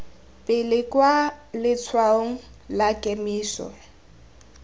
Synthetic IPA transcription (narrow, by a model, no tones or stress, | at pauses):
pʼɪlɪkʼwalɪt͡sʰwaoŋ̩ | lakʼemiːsɔ̰